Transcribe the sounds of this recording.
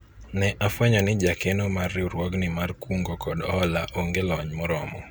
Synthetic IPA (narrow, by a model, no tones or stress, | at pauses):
nɛʔafwɛɲɔnɪd͡ʒakenomarːɪuɾwɔɡnɪmarkuŋɡokɔdɔhɔlaʔoŋɡelɔɲmɔɾɔmɔ